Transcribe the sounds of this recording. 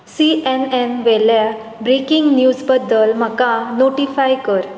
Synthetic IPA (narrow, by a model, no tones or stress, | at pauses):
siɛnɛnʋɛlja | bɾekiŋɡnjud͡zbəd̪ːəlm̤əkãnoʈifajkəɾ